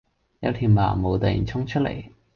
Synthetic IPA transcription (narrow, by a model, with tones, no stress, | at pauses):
jɐ̰˨˧˥t̪ʰi˨˩nma̰ː˨˩mo˨˧wt̪ɐ˨˩j̰nt͡sʰʊ˥ŋt͡ʃʰɵ˥t̚lḛ˨˩j